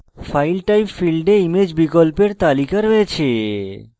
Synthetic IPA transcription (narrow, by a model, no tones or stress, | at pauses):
fʰajlʈajmfilɖeimed͡ʑbikolpeɾt̪alikaɾoet͡ɕʰe